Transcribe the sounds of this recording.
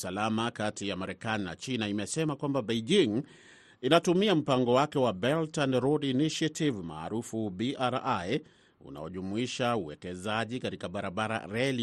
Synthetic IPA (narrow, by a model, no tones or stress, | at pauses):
salamakatijamaɾɛkanina̰t͡ʃinaimɛsɛmakwambabejd͡ʒiŋ | inatumiam̩paŋɡɔwakɛwabɛltanɾɔdiniʃiativma̰ːɾufubiʔaɾaj | ṵna̰ɔʄumuiʃauwɛkɛzaʄikaɾikaɓaɾaɓaɾa̰ɾɛli